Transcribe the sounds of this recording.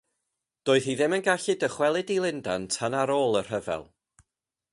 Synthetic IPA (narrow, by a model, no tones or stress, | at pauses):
d̥oːɨðiðɪmənɡaɬɨdəχwɛlˠɨdilˠɪndantʰanaɾoːlˠər̥əvɛ̰lˠ